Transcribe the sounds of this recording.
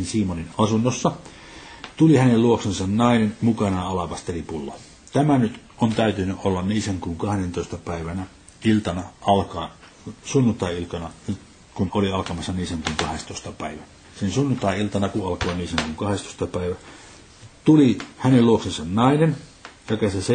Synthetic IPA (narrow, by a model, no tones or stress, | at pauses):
ensiːmoninɑsunːosːɑ | t̪ulihænelluoksensɑnnɑinenmukɑnɑɑlɑpɑst̪eripulːɑ̰ | t̪æmænyt̪ʔont̪æˑyt̪ynːyʔʔolːɑnniːseŋkuːŋkɑhdent̪oˑist̪ɑpæˑiʋænæ | ilt̪ɑnɑɑlkɑː | sunːunt̪ˑɑˑiilk̪ɑnɑ | kunoliɑlkɑmɑsːɑniːseŋkuːŋkɑhest̪oˑist̪ɑpæˑiʋænæ | sinsunːunt̪ɑˑiilt̪ɑnɑkuʔɑlkoːniːsæŋkuːŋkɑhest̪o̥ˑĭ̥st̪ɑpæˑiʋæ | t̪ulihænelluoksensɑnnɑinent̪ɑˑkɑsese